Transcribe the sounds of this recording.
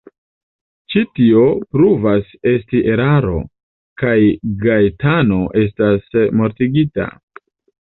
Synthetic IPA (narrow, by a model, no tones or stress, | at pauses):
t͡ʃitio̞pɾuvase̞stiʔe̞ɾaɾo̞̰ | kajɡajtano̞ʔe̞s̬tasmo̞ɾtiɡita̰